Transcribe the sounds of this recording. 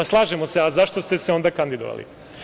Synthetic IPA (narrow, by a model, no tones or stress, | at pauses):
slˠaːʒemo̞seazaʃt̪ost̪eseond̪akand̪id̪oʋa̰lḭ